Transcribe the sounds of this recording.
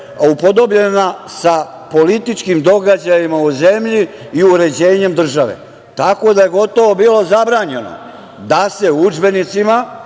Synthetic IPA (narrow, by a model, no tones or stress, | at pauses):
upo̞d̪o̞bʎe̞nasa | po̞lit̪it͡ʃkimd̪o̞ɡad͡ʑajimauze̞mʎi | iuɾe̞d͡ʑe̞ːɲe̞md̪r̩ʒaʋḛ | t̪ako̞d̪aje̞ɡo̞t̪o̞ʋo̞biːlo̞zabɾaːɲe̞no̰ | d̪ase̞ud͡ʒbe̞nit̪sima